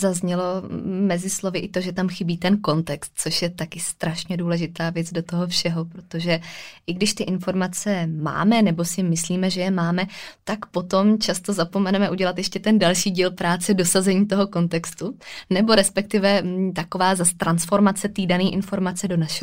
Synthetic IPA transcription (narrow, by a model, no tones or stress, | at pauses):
zazɲɛlo̞mɛzɪslo̞vɪʔɪt̪o̞ʒɛt̪amxɪbiːt̪ɛnko̞nt̪ɛkst̪̚t͡so̞ʃjɛt̪akɪst̪ɾaʃɲɛduːlɛʒɪt̪aːvjɛt͡sdo̞t̪o̞ɦo̞fʃɛɦo̞pɾo̞t̪o̞ʒɛʔɪɡdɪʃt̪ɪʔɪnfo̞ɾmat͡sɛma̰ːmɛnɛbo̞sɪmɪsliːmɛʒɛjɛmaːmɛt̪akpo̞t̪o̞mt͡ʃast̪o̞zapo̞mɛnɛmɛʔuɟɛlat̪jɛʃcɛt̪ɛndalʃiːɟiːlpɾaːt͡sɛdo̞sazɛɲiːt̪o̞ɦo̞ko̞nt̪ɛkst̪unɛbo̞ɾɛspɛk̚t̪ɪvɛt̪akovaːzast̪ɾansfo̞ɾmat͡sɛt̪iːdaniːʔɪnfo̞ɾmat͡sɛdo̞naʃɛ